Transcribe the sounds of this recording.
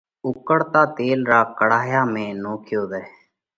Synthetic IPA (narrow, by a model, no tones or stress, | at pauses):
ʊkəɽt̪aːt̪eːlɾaːkəɽaːjaːmẽːnoːkʰjoːd̪ɛː